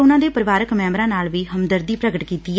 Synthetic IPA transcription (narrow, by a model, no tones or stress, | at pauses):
ʊnãːd̪eːpəɾɪʋaːɾəkmɛ̃ːmɾãːnaːlʋiːɦəmd̪əɾd̪iːpɾəɡəʈkiːt̪iː